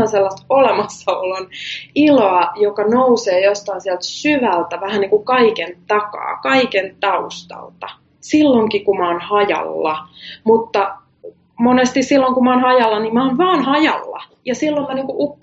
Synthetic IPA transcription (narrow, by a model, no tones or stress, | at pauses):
ɑnselːɑst̪olemɑsːɑoloniloɑjokɑnouseːjost̪ɑinsiælt̪syʋælt̪æʋæhænniːŋkukɑikent̪ɑkɑ̰ːkɑikent̪ɑust̪ɑ̰lt̪ɑ | silːoŋkikumɑːnhɑjɑ̰lːɑmut̪ːɑ | monest̪issilːoŋkumɑonhɑjɑlːɑnimɑonʋɑːnhɑjɑ̰lːɑ̰ | jɑsilːommɑniːŋkuʔupː